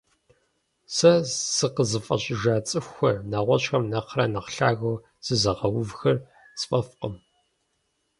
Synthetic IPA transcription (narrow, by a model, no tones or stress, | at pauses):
sɐsɨqəzɨfʼɐ̰ɕʼɪʒaːt͡sʼɨxʷɐnaːʁʷɔɕxɐmnɐqrɐnɐqɬaːɣɐw | z̥ɨzɐʁɐwʊvxɐr | t͡sʼfʼɐfqəm